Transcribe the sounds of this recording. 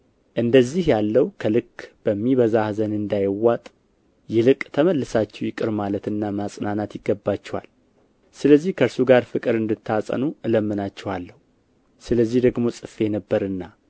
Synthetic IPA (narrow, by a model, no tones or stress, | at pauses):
ʔɨnd̪əzːihjalːəwkʰəlɨkːb̥əmːiβəzahzənɨnd̪ajɪwːat̪ʼ | jɛlɨkʼt̪ʰəməlːɨsat͡ʃːɛwjɪkʼɨɾmalət̪ɨnːamasʼnanat̪jɪɡːəbːat͡ʃːɛwa̰l | sɨləzːihkʰəɾsuɡaɾfɨkʼɨɾɨnd̪ɨt̪ʰːasʼə̰nuʔɨləmːɨnat͡ʃːɛwalːəhu | sɨləzːihd̪əɡmo̞sʼɨfːenəbːəɾɨnːa